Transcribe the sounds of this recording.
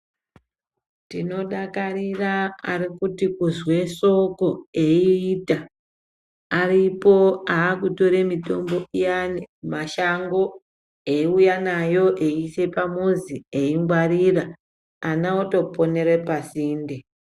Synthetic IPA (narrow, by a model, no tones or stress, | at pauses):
tino̞ɗakaɾiraarikutikuzwe̞ʃo̞ko̞eiːta | aripo̞aːkuto̞ɾemito̞mbo̞ijanemaʃaŋɡo̞ | eiujanajo̞ʔeise̞pamuzieiŋɡwarira | anaoto̞po̞ne̞ɾepasiːnde